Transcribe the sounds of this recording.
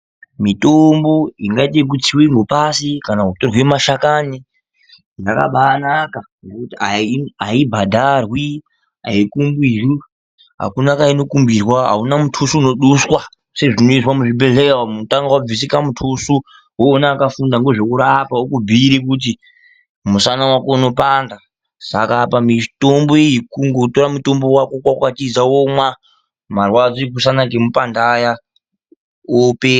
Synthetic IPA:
mitomboiŋɡait̬ek̬utiwiŋɡo̞pasikanaɦutorwemaʃakani | jaka̰ɓanakanekutiaiaibʱadʱarwi | ɦa̰ikumbiri | ɦa̰kunakaino̞kumbirwaɦa̰unamutʰusuːno̞ɗuswa | se̞ʐino̞iswamuʐibʱe̞ɮewamunotaŋɡawab͡visikamutʰusu | woːnaːkafundaŋɡeʐokuɾapaokubʱiɾikut̬i | musanawakouno̞paːnda | sakapamitomboijikuŋɡo̞to̞ɾamutombo̞wako̞kwakwatid͡zawomwa | marwad͡zoik̬usanakemupandaja | ope

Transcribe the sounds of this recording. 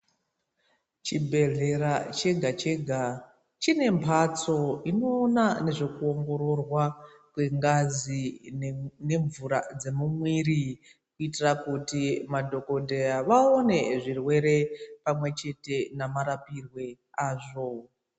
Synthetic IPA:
t͡ʃibʱe̞ɮe̞ɾat͡ʃe̞ɡʱat͡ʃe̞ɡʱa | t͡ʃine̞mpʰat͡so̞ino̞ːnane̞ʐo̞kuoŋɡo̞ɾo̞rwa | kwe̞ŋɡazi | ne̞ɱvuɾad͡ze̞mumwiri | kuitirakutimadʱo̞ko̞ndeaʋaone̞ʐirwe̞ɾe̞pamwe̞t͡ʃe̞te̞namaɾapirwe̞ | aːʐo̞

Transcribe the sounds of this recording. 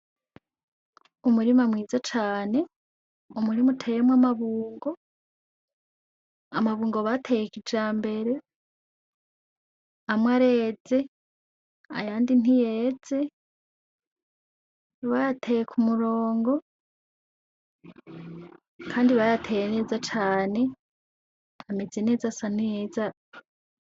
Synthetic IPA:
umuɾimamwŋiːzat͡ʃaːne̞ | umuɾimutʰejemwamaβuːŋɡo̞ | amaβuːŋɡoβatʰejekid͡ʒaːmbe̞ɾe̞ | amwaɾe̞ːd͡ze̞ | a̰jaːndin̥ijeːd͡ze̞ | βajatʰejekʰumuɾoːŋɡo̞ | kʰaːndiβajatʰejene̞ːzat͡ʃaːne̞ | amezene̞ːzasan̥ejeza

